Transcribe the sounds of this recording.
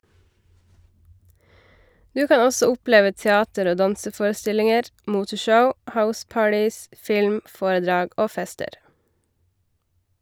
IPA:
ˈdʉː ˈkɑː ˈɔsɔ ˈʊˌpleːʋə tɛˈɑːtəɾ ˈoː ˈdɑnsəˌfoːɾəˌstɪlɪŋəɾ ˈmuːtəˌʃəʊ ˈhaʊˌspɑːʈɪs ˈfɪlm ˈfoːɾəˌdɾɑːɡ ˈoː ˈfɛstəɾ

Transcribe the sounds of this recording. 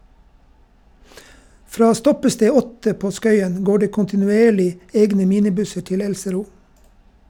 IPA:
ˈfɾɑː ˈstɔpəˌsteː ˈɔtə ˈpoː ˈskœʏən ˈɡoː ˈɖeː kʊntɪnʉˈeːɭɪ ˈeːɡnə ˈmiːnɪˌbʉsəɾ ˈtɪl ˈɛlsəˌɾuː

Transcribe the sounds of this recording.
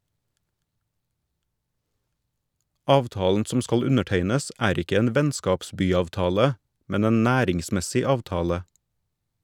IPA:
ˈɑːʋˌtɑːln̩ ˈsɔm ˈskɑl ˈʉnəˌʈeɪnəs ˈæːɾ ˈɪkə ˈeːn ˈʋɛnskɑpˌsbyːɑʋˌtɑːlə ˈmɛn ˈeːn ˈnæːɾɪŋˌsmɛsɪ ˈɑːʋtɑːlə

